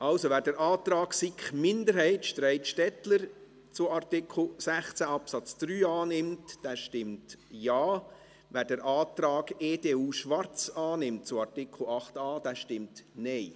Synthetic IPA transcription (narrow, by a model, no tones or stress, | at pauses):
ʔɑlsoʋæːɾdəɾʔɑːt̪ɾɑːksikχmɪndəɾɦɛɪtʃtɾɛɪtʃtɛtləɾ | t͡sʊɑɾtɪkʰl̩sæχt͡sæɑpsɑt͡sd̪̥ɾyːɑːnɪmtd̥ɛːʃtɪmtjaː | væːɾdəɾʔɑːt̪ɾɑːɡeːdeːuːʃʋɑɾt͡sɑːnɪmt̚t͡sʊɑɾtɪkʰl̩ɑχtɑːd̥ɛʃtɪmtnɛɪ